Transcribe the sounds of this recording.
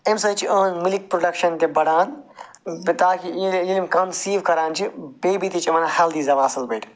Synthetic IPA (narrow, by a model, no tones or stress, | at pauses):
emsɐːt͡ʃʰiʔɐːnmilik̚pɾoɖɐkʃɐnt̪ebɐɽaːn | bit̪aːkijilimkɐnsiːʋkɐɾaːnt͡ʃʰibeːbit̪it͡ʃʰimɐnahɐld̪iːzɐʋaːsɐlbɐjʈ